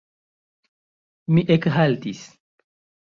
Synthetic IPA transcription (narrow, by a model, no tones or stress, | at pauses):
miʔekɦalt̪is